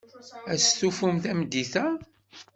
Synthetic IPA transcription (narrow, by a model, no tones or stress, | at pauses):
æsθufumθæmd̪ːiθæ